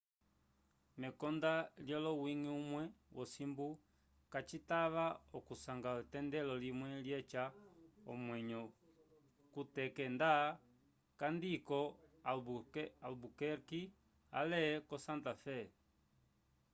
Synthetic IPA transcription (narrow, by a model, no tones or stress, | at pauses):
mɛkɔndaljɔlɔwiŋiumwɛwʔɔsimbu | kat͡ʃitaβaɔkusaŋɡautɛndɛlɔlimwɛljɛt͡ʃaɔmwɛɲɔ | kutɛkɛnda | kandikɔaalbukɛɾki | a̰lɛkɔsantafɛ